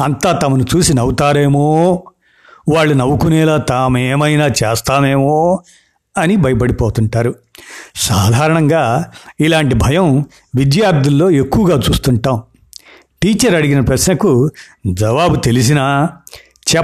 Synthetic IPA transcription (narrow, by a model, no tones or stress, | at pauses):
ɐnt̪aːt̪ɐmɐnut͡ʃuːsinɐwut̪aːɾeːmoː | ʋaːɭːunɐwukunɛːlaːt̪aːmeːmɐjnaːt͡ʃeːst̪aːne̞ːmoː | ɐnibʱɐjɐp̬ɐɽipoːt̪uɳʈaːɾusaːd̪ʱaːɾɐɳɐŋɡaːilaːɳʈibʱɐjɐm | ʋid̪jaːɾd̪ʱulːo̞ːe̞kːuʋɐɡaːt͡ʃuːst̪uɳʈaːm | ʈiːt͡ʃɐɾɐɽiɡinɐpɾɐsnɐkud͡ʒɐʋaːbut̪e̞lis̬inaː | t͡ʃɛ